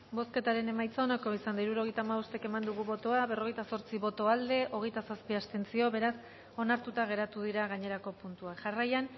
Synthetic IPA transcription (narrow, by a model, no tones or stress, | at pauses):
bo̞ske̞t̪aɾe̞ne̞majt͡saonako̞isand̪aiɾuɾo̞ɣ̞e̞jt̪aːmaust̪eke̞mand̪uɣ̞uβo̞t̪oaβero̞ɣ̞e̞jt̪aso̞ɾt͡siβo̞t̪o̞ald̪e̞ʔo̞ɣ̞e̞jt̪asaspiast̪e̞nt͡sio̞βe̞ɾas | o̞naɾt̪ut̪aɣ̞e̞ɾat̪uð̞iɾaɣaɲe̞ɾako̞punt̪uakʝarajan